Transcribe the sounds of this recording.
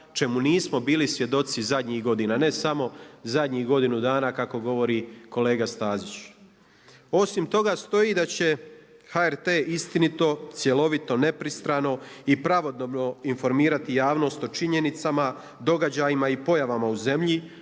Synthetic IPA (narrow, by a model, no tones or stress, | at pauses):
t͡ʃe̞muniːsmo̞biːlisʋje̞d̪o̞t̪sizad̪ɲiɣɡo̞d̪inane̞samo̞zad̪ɲiːhɡo̞d̪inud̪aːnakako̞ɡo̞ʋo̞ɾiko̞le̞ːɡast̪aːzit͡ɕ | o̞simt̪o̞ɡast̪o̞iːd̪at͡ɕe̞xaeɾt̪e̞ːʔist̪init̪o̞t̪sje̞lo̞ʋit̪o̞ne̞pɾist̪ɾaːno̞ipɾaʋo̞d̪obno̞info̞ɾmiːɾat̪ijaːʋno̞ːst̪o̞t͡ʃiɲe̞nit̪sama | d̪o̞ɡad͡ʑajimaipo̞jaʋamauze̞mʎi